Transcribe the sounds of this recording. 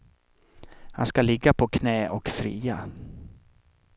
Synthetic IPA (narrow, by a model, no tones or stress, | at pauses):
ha̰nskalɪɡːapʰɔkʰnɛːʔɔkfɾḭːa